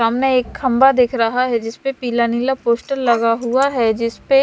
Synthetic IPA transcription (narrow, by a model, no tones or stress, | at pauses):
aːmneeːkxɐ̃mbad̪eːkʰɾɐɦaɦɛd͡ʒɪspepiːlaniːlapoːsʈəlːɐɡaɦuaɦɛd͡ʒɪspe